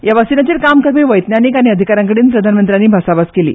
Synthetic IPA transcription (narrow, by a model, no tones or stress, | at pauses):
jaʋasinat͡ɕiːlkamkəɾʋiːʋəjt̪njaniːkaɽ̃iəd̪ʱikaɾãŋkəɽiːnpɾəd̪ʱanmənt̪ɾanːiːbʱasabaskelḭː